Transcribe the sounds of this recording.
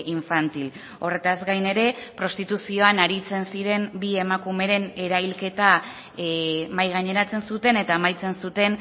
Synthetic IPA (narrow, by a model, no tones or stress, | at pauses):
iɱfant̪il | o̞re̞t̪azɡajne̞ɾe̞pɾo̞st̪it̪usio̞anaɾit͡se̞nsiɾe̞mbie̞makume̞ɾe̞ne̞ɾajlke̞t̪a | majɣaɲe̞ɾat͡se̞nsut̪e̞ne̞t̪amajt͡se̞nsut̪e̞n